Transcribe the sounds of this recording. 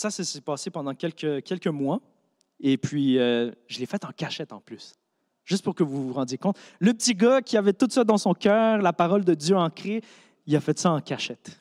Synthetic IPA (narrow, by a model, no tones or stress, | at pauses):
sasəsipaːsepɑ̃d̪ɑ̃kʲɛlkʲəkʲɛlkʲəmwa | epɥiøʒəlefɛt̪ɑ̃kʲaʃɛt̪ɑ̰̃plys | ʒ̥ʏst̪̚pʊʁkəvuvuʁɑ̃d̪jekɔ̃t̪ləpət̪iɡakʲiavɛt̪ut̪sad̪ɑ̃sɔ̃kʲœːʁlapaʁɔld̪əd̪jøɑ̃kχe | ilafɛt̪saɑ̃kʲaʃɛt̪